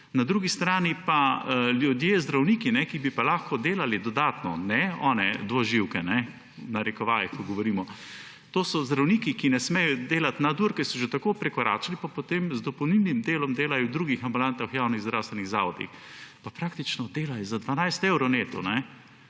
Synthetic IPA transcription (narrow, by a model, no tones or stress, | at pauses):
nad̪ɾuːɡist̪ɾaːnipaljud̪jezd̪ɾawniːkinɛkibipalaxkɔd̪eːlalid̪ɔd̪aːt̪nɔ̰nɛɔːnɛd̪ʋɔʒiwkɛnɛ | naɾɛkɔʋaːjixkɔɡɔʋɔɾiːmɔ | t̪oːsɔzd̪ɾawniːkikinɛsmɛjɔd̪eːlat̪nad̪uɾkɛsɔʒet̪akoːpɾɛkɔɾa̰ːt͡ʃalipapot̪emzd̪ɔpɔwnibnimd̪eːlɔmd̪eːlajɔwd̪ɾuːɡixambulant̪axjaːwniɣzd̪ɾawst̪ʋɛniɣzaːʋɔd̪ḭx | papɾaːkt̪it͡ʃnɔd̪eːlajɔzad̪ʋanajst̪ɛwɾɔwneːt̪ɔnɛ